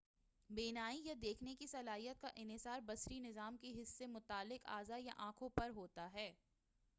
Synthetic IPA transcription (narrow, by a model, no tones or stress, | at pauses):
beːnaːijad̪eːkʰnekisɐlaːɦijət̪̚kaʔɪnɪsaːɾbɐsɾinɪzaːmkeɦɪsːemʊt̪aːlːɪqa̰ːzaja̰ʔãːkʰõpɐɾɦoːt̪aɦɛː